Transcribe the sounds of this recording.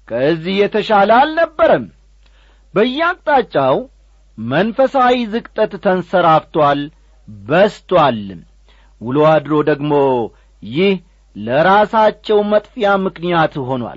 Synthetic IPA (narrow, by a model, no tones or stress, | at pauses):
kʰəɨzːihjɛt̪ʰəʃaləalnəbːəɾəm | bəjːɛakʼt̪ʼat͡ʃʼːaw | mənfəsawizɨkʼt̪ʼət̪ːʰənsəɾaft̪wal | bəst̪ʰwal | wʊload̪ɾo̞d̪əɡmo̞ | jɪh | ləɾasat͡ʃːɛwmət̪ʼfijamɨknijat̪ɦo̞nwa̰l